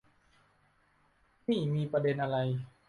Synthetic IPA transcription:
miː˥˩miː˧pɾa˧de˧nʔa˧ɾa˧j

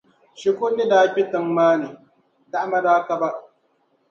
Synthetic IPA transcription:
ʃɪ˨kʷʊ˦ɗɪ˦daː˨ɸʲɪ˦tɪ˨mːaː˦neː˨ | da˦ʔma˦daː˦ka˦ba˦ʔ

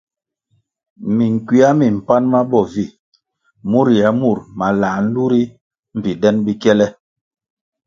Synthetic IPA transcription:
mi˨ŋ˨kwi˦a˦mi˨m̩˨pa˦nma˦bɔ˦˨vi˦˨ | mu˦˨ɾja˨mu˦˨ɾma˨la˨n̩˦lu˦ɾi˦ | m̩˨pi˨dɛ˦nbi˦kɛ˦lɛ˦

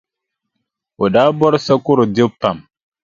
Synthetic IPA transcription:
wo˨daː˦bɔ˦ɾsa˦ku˦ɾo˨de˦pːa˨m

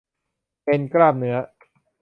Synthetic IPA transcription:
pe˧nkɾaː˥˩p̚nɯ˩˦ɐ

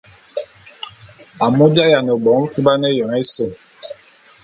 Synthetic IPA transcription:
a˨mu˦bja˦ja˨nɛ˨ɓɔ˨˦fu˦ba˦nɛ˦jɔ˨ŋɛ˦so˦˨ŋ

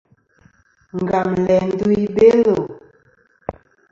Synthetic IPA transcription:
ŋ˨ɡa˨mlɛ˨n˦du˦i˦be˦lo˨

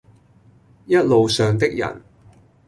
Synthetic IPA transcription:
jɐ˥t̚lo˨wsœː˨ŋt̪ɪ˥k̚jɐ̰˨˩n

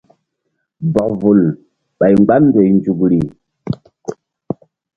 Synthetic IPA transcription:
bɔ˨kvu˨l | ɓa˨jm˦ɡ͡ba˦nnde˨jnd͡ʒu˨kɾi˨

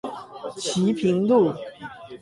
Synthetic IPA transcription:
t͡ɕʰi˧˥˦pʰi˧˥ŋlu˥˩

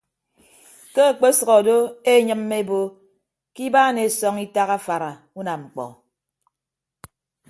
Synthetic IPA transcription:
ke˦˨k͡pe˦sɔ˨ɣɔ˨do˦e˦ɲɨ˦mːe˦e˦bo˦ | ki˦baː˦ne˨sɔ˦ŋi˦ta˦ɣa˦fa˨ɾa˨ | u˦na˨ŋ͡m̩˨k͡pɔ̰˨

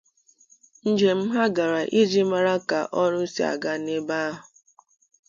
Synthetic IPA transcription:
n̩˦d͡ʒe˨m̩˦ɦa˦ɡa˨ɾa˨ʔi˦d͡ʒi˦ma˦ɾa˦ka˨ʔɔ˦ɾʊ˦n̩˦si˦a̰˨ɡa˦ne˦ba˦ɦʊ˨

